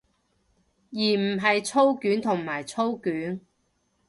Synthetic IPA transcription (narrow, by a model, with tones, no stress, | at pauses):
jiː˨˩m̩˨˩ɦɐ˨jt͡sʰo˥wkyː˨˥nt̪ʰʊ˨˩ŋmaː˨˩jt͡sʰo˥wkyː˨˥n